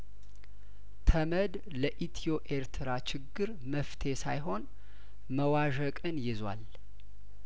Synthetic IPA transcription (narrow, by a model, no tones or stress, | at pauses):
t̪ʰəməd̪ | ləʔit̪ʰijo̞ʔe̞ɾt̪ʰɨɾat͡ʃɪɡːɨɾ | məft̪ʰe̞sa̰jɦo̞n | məwaʒəkʼɨnjɪzwa̰l